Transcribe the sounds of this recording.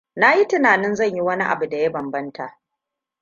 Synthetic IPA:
na˦ji˦tɪ˦naː˨nɪ˦nzɐ˦˨ɲji˦wɐ˦ni˦ʔa̰˨bu˨da˨jɐ˦bɐ˨mbɐ˦nta˨ʔ

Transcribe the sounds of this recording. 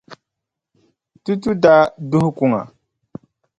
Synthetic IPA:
tu˦tu˦da˦du˦hku˦ŋa̰˨

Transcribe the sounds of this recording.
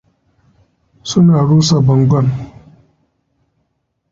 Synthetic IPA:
sʊ˦naː˨ɽuː˦sa˨bɐ˨ŋɡʷɔ˦˨n

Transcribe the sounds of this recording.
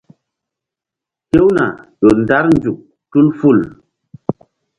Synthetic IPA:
te˦wna̰˨ɗo˨nda˦ɾnd͡ʒu˨k̚ | tu˦lfu˦˨l

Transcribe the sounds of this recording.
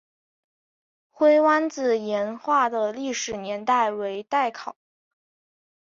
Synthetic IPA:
xwe˥ɪwa˥nt͡sɹ̩˧˩jɛ˧˥nxwa˥˩d̪ə˩li˥˩ʂɻ̩˨˩njɛ˧˥nt̪a˥˩ɪwe˧˥ɪt̪a˥˩ɪkʰɑ˨˩˦ʊ

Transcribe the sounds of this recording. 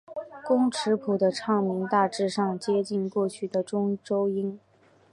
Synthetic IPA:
kʊ˥ŋʈ͡ʂʰɻ̩˧˥pʰu˨˩d̪ə˦ʈ͡ʂʰɑ˥˩ŋmi˧˥ŋt̪a˥˧ʈ͡ʂɻ̩˥˧ʂɑ˥˧ŋt͡ɕjɛ˥t͡ɕi˥˧nkwɔ˥˩t͡ɕʰy˥˩d̪ə˩ʈ͡ʂʊ˥ŋʈ͡ʂo˥ʊi˥n

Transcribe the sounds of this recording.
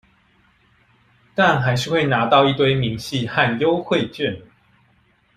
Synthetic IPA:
t̪a˥˨nxa˧˥ɪʂɻ̩˥˧xwe˥˩ɪna˨˧˥t̪ɑ˥˧ʊi˥˧t̪we˥ɪmi˨˦ŋɕi˥˧xa˥˨njo˦ʊxwe˥˨ɪt͡ɕɥɛ˥˨n

